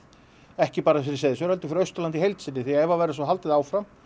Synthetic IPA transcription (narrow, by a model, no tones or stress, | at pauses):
ɛhcɪpaːɾaf̬jɛɾɪ̥sɛðsʏɾhɛlt̪ʏ̥fɪɾœɥst̪ʏɾlant̪ihejlt̪sɪnːɪθiaɛvavajɾasvɔɦalt̪ɪðaːwfɾam